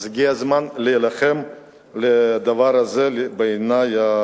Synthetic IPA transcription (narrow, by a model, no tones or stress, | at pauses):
zɡiazmanlejelaχem | led̪avaɾazebenaja